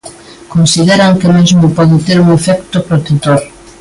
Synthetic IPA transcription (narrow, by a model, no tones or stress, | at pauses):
konsiðeɾaŋkɪmezmʊpɔðɪt̪eɾuŋefɛkt̪opɾot̪et̪oɾ